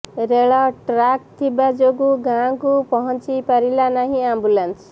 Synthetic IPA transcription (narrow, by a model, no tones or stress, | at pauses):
ɾeɭɔʈɾak̚t̪ʰibad͡ʒoɡuɡãkupɔɦɔnt͡ʃipaɾilanaɦĩambulans